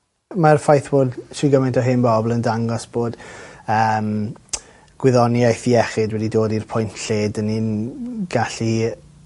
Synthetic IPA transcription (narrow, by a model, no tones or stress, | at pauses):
marfajθb̥oːdʃiɡəmantʰɔɦɪnbɔblˠəndaŋɡɔsb̥oːd̥əm | ɡ̥wɪðɔnjajθiɛχɪdwɛdidoːdirpʰʊjntʰɬeːdəninɡ̥aɬi